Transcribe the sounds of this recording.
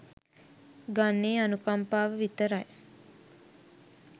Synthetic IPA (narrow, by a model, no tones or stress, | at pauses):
ɡanːeːanukampaːʋəʋit̪əɾaj